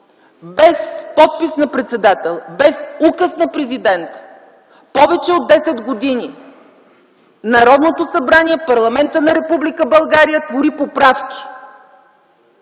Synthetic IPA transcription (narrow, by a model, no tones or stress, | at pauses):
bɛspɔt̪̚pisnɐpɾɛt̪sɛd̪at̪ɛlˠbɛsukəsnɐpɾɛzid̪ɛnt̪ | pɔvɛt͡ʃɛod̪ːɛsɛd̪ɡod̪ini | nɐɾɔd̪not̪osɐbɾaniɛpɐɾlˠɐmɛnt̪ənɐɾɛpublikəbɐlˠɡaɾijət̪voɾipopɾafkʲi̥